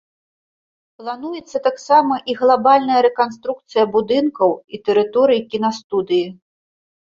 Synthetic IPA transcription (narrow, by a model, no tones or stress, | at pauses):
plˠanujɛt̪sːɐt̪aksamɐʔiɣlˠabalʲnɐjɐɾɛkans̬t̪ɾuk̚t̪sɨjɐbud̪ɨnkɐwit̪ɛɾɨt̪ɔɾɨjikʲinast̪ud̪ɨji